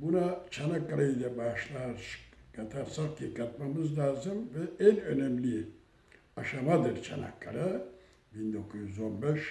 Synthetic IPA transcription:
bunat͡ʃʰanakːaɾaid̪ɛbaʃlˠaɾkʰat̪ʰaɾsaχcʰikʰat̪mamɯzlʲaːzɯmvɛænø̞nɛmlʲi | aʃamad̪ɯɾt͡ʃʰa̰na̰kʰːa̰ɾa | bind̪o̞kʰuzjyzo̞nbɛʃ

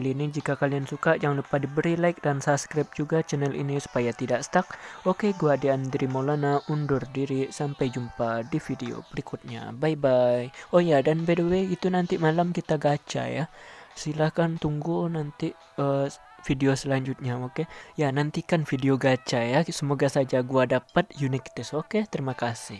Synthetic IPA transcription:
kalinid͡ʒikakaliansukaʔjaŋlupahdibəɾilaɪk̚dansaskɾap̚d͡ʒuɡat͡ʃɛnɛlḭnisu̥pajat̪idaʔsə̥t̪ak̚okeɡuadiandiɾimolanaundʊrdiɾisampajd͡ʒumpadifideo̰pəɾikʊt̪̚ɲa̰bajbajojadanbedeweɡit̪unant̪imalamkit̪aɡat͡ʃa̰jahsilahkant̪uŋɡunant̪i | ə | fideosəlaɲd͡ʒut̪̚ɲaokejanant̪ikanfideoɡat͡ʃajasəmoɡasad͡ʒaɡuadapat̪̚junikt̪ɛsoket̪əɾimakasɪh

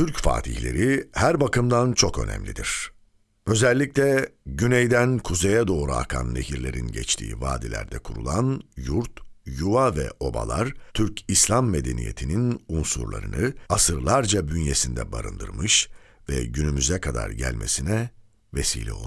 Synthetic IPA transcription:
t̪ʰyɾcfa̰ːt̪ʰihlʲe̞̰ɾihæɾbakɯmd̪ant͡ʃʰo̞kø̞nɛ̰mlʲid̪iɾ̥ | ø̞zɛlʲːiclʲɛɟynɛjd̪ænkʰuzejɛd̪o̞ːɾuakʰa̰nːe̞̰ɦiɾlʲe̞ɾinɟɛt͡ʃt̪ʰḭːvaːd̪ilʲæ̰ɾd̪ɛkʰuɾṵlˠanjuɾt̪juavɛ̰ʔo̞ba̰lˠaɾ̥t̪ʰyɾcʰislʲˠamːe̞d̪e̞nḭje̞t̪ʰininunsṵɾlˠa̰ɾɯnɯasɯɾlˠaɾd͡ʒabynje̞sind̪ɛ̰baɾɯnd̪ɯ̰ɾmɯʃ | vɛ̰ɟynymyzɛkʰad̪a̰ɾɟælʲmʔe̞sinɛ | vesḭːlʲɛ̰o̞lˠ

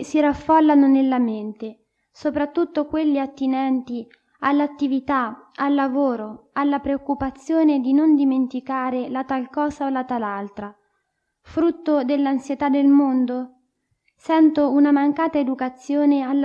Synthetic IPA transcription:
siɾafːɔlːanonelːament̪e | sopɾat̪ːut̪ːokwelːiat̪ːinɛnt̪i | alːat̪ːivit̪aalːavoːɾoalːapɾeokːupat̪sːjoːned̪inond̪iment̪ikaːɾelat̪alkɔːsaolat̪alalt̪ɾa | fɾut̪ːod̪elːansjet̪ad̪ːelmond̪o | sɛnt̪ounamaŋkaːt̪aed̪ukat̪sːjoːnealː

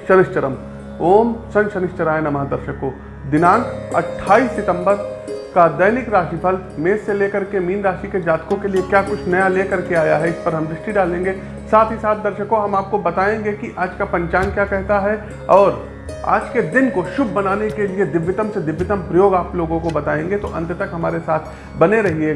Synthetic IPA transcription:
ʃɐɾɪʃt͡ʃəɾə̰m | oːmsɐ̃nʃɐnɪʃt͡ʃəɾaːenɐmaːd̪ɐɾʃəkːõ | d̪ɪnaːnɐ̰ʈʰːaːisɪt̪ə̃mbəɾkad̪ɐɪnɪkɾaːʃipʰɐl | meːseleːkəɾkemiːnɾaːʃiked͡ʒaːt̪kõkeliekjaːkʊt͡ʃʰnɐjaleːkəɾkeaːjaɦɛɪspəɾɦɐmd̪ɾɪʃʈiɖaːlẽːŋɡe | saːt̪ʰɦisaːt̪̚ʰd̪ɐɾʃəkõɦɐmaːp̚kobɐt̪aːẽːŋɡekiʔaːd͡ʒkapɐ̃ɲt͡ʃaːnkjaːkɛɦt̪aɦɛ | ɔːɾ | a̰ːd͡ʒked̪ɪnkoʃʊbʱːɐnaːnekelied̪ɪʋjət̪əmsed̪ɪʋjət̪əmpɾɐjoːɡaːploːɡõkobɐt̪aːẽːŋɡet̪oʔɐ̰̃nt̪t̪ɐkɦɐmaːɾesaːt̪ʰ | bɐneɾɐɦiɦɛ

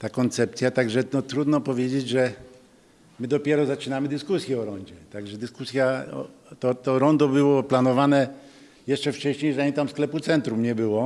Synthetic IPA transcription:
t̪akɔnt̪sɛpt̪sʲjat̪aɡʐɛnɔt̪ɾud̪nɔpɔvʲjed͡ʑed͡ʑʐɛ | mɘd̪ɔpʲjɛɾɔzat͡ʂɘnamɘd̪ɘskusʲjɛɔɾɔɲd͡ʑɛt̪aɡʐɛd̪ɘskusʲjaɔ̰ | t̪ɔt̪ɔɾɔnd̪ɔbɘwɔplanɔvanɛ | jɛʂt͡ʂɛft͡ʂɛɕɲejʐaɲit̪amsklɛput̪sɛnt̪ɾumɲɛbɘwɔ

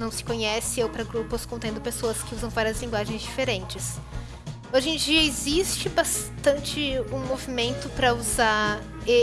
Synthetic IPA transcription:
nɐ̃w̃sɪ̥kõɲɛsɪewpɾɐɡɾupʊskõt̪ẽnd̪ʊpesoɐskɪuzɐ̃w̃vaɾiɐzlĩŋɡwaʒẽj̃zd͡ʒifeɾẽnt͡ʃɪs | oʒẽd͡ʒiɐezist͡ʃɪbast̪ɐ̃nt͡ʃɪũmovimẽnt̪ʊpɾɐuza | e

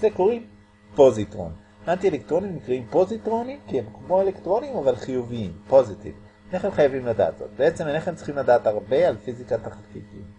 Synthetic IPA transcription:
zekoʁi | po̞zitʁo̰ni | ʔant̪ielekt̪ʁo̞nimnikʁaimpo̞zitʁo̞nimkiemkmo̞elekt̪ʁo̞nimavalχijuviimpo̞zitḭvi | eneχemχajavimlada̰ːt̪z̥o̰t̪̚beet͡se̞meneχemt͡si̥χimladaːtaʁbe̞alfizikat̪aχakitḭm

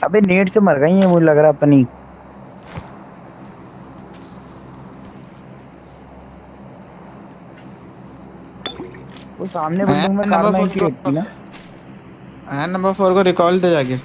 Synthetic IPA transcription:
ɐbʱeneːʈsemɐɾɡaːĩemʊd͡ʒelɐɡɾaɛpni | ʋoːsaːmnebʊlɪ̃ŋmẽkaːnaɪnkieːʈ̚t̪inaː | ɛ̃nɐ̃mbəɾfʰoːɾkoɾɪkɔːlʈ̪ed͡ʒaːɡeː

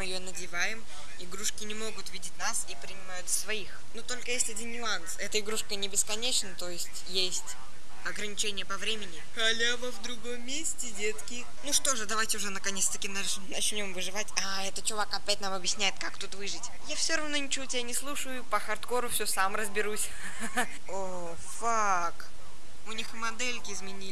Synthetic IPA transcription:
mɨjɪjonədʲɪvajɪm | ɪɡɾuʂkʲɪnʲɪmo̞ɡʊt̪vʲidʲɪtʲnasipɾʲɪnʲɪmajʊt̪svɐixnut̪o̞lʲkəjesʲtʲɐdʲinnʲʊansɛt̪əɪɡɾuʂkənʲɪbʲɪskɐnʲet͡ɕnət̪o̞jɪsʲtʲjesʲtʲ | ɐɡɾənʲɪt͡ɕenʲɪjəpɐvɾʲemʲɪnʲɪxɐlʲavəvd̪ɾʊɡomʲːesʲtʲɪdʲet̪skʲɪ | nuʂt̪o̞ʐɨd̪ɐvajtʲɪʊʐɛnəkɐnʲest̪əkʲin | nɐt͡ɕnʲo̞mvɨʐɨvatʲa | ɛt̪ət̪t͡ɕʊvakɐpʲæt̚ʲnamɐbjɪsʲnʲæjɪt̪kakt̪ut̪vɨʐɨtʲ | jafsʲoɾɐvno̞nʲɪt͡ɕɪvotʲɪbʲanʲɪslˠuʂəjʊpəxɐrt̪ko̞ɾʊfsʲosamrəzbʲɪɾusʲ | o | fa | k | ʊnʲixmɐd̪ɛlʲkʲɪɪzmʲɪnʲilʲɪ

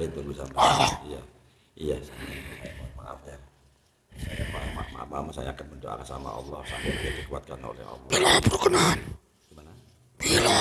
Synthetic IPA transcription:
ɾit̪ubisamaaija | ijasasajapamaʔa̰far | saja̰pamama̰mamasajaːkanməndoʔa̰kasa̰ma̰ɑ̰lːɔhsampɪd͡ʒadikuat̪̚kano̰lɛ̰hɑ̰lːɔilapuɾkənaan | ɡimana | t̪ila

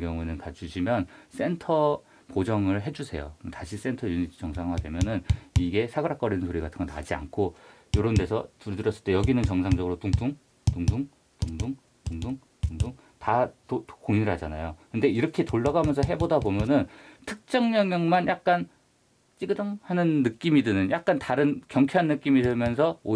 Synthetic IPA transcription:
ɡjʌŋunɯnkad͡ʑuɕʰimjʌns͈e̞ntʰʌ | pod͡ʑʌŋɯɭɦe̞d͡ʑusʰe̞̰jo̰taɕʰis͈e̞ntʰʌjuɲitʰt͡ɕʌŋsʰaŋɦwadwe̞mjʌnɯniɡe̞sʰaɡɯɾak͈ʌɾinɯnsʰoɾiɡatʰɯŋɡʌna̰d͡ʑia̰nkʰo | joɾonde̞sʰʌtuɾdɯɾjʌs͈ɯɭt͈e̞jʌɡinɯnt͡ɕʌŋsʰaŋd͡ʑʌɡɯɾotuŋduŋ | tuŋduŋ | tŋduŋ | toŋduŋ | tuŋduŋ | tatokoŋɲiɾɯɦad͡ʑana̰jokɯnde̞iɾʌkʰe̞toɭːaɡamjʌnsʰʌɦe̞bodabomjʌnɯntʰɯk̚t͡ɕ͈ʌŋɲʌŋɲʌŋmanjak̚k͈an | t͡ɕ͈iɡɯdɯŋhanɯnːɯk͈imidɯnɯnjak̚k͈antaɾɯnkjʌŋkʰeɦanːɯk͈imidɯmjʌnsʰʌo

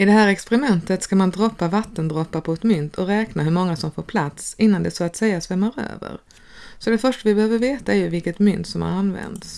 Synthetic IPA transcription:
ɪd̪ɛɦæːɾɛkspɛɾɪmɛnt̪ət̪skamand̪ɾɔpːavat̪ːənd̪ɾɔpːapʰɔɛt̪mʏnt̪ʰɔɾɛːknaɦɵɾmɔŋːasɔmfoːɾpʰlat̪sɪnːand̪ɛsɔat̪sɛjːasvɛmːaɾø̰ːvə̰ɾ | sɔd̪ɛfœʂʈavɪbɛhøːvəɾveːt̪aɛɾjɵvɪlkət̪mʏnt̪sɔmha̰ɾanvɛ̰nd̪s

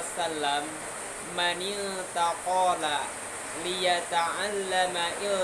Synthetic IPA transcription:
salːamː | anɪt̪aqɔːla | lɪjat̪aʕalːamaʔɪ

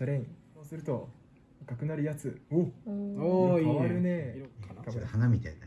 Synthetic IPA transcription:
saɾẽĩso̞ːsɨɾɯ̟t̪o̞ | βakakɯ̟naɾɯ̟jat͡sɨo | aaaɾɯ̟ne̞kahanamʲit̪aina

